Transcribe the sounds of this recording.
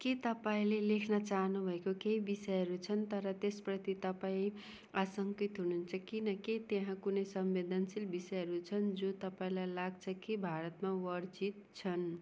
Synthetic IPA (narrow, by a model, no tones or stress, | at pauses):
ket̪ʌpaĩlelekʰnʌt͡saɦnubʱʌekokeibisʌjɦʌɾut͡sʰʌnt̪ʌɾʌt̪esprʌt̪it̪ʌpaĩ | asʌŋkit̪ɦununt͡sʰʌkinʌket̪jeɦãkunʌjsʌmbed̪ʱʌnsilbisʌjɦʌɾut͡sʰʌnd͡zot̪ʌpaĩlajlaɡ̚t͡sʰʌkibʱaɾʌt̪mawʌrd͡zit̪̚t͡sʰʌn